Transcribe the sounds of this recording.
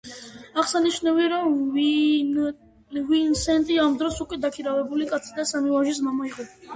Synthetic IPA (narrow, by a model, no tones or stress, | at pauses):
aχsaniʃnaviaɾɔm | vinsɛnt̪ʼiamd̪ɾɔsukʼwɛd̪akʰiɾavɛbulikʼat̪sʰid̪asamivaʒis̬mamaiqʼɔ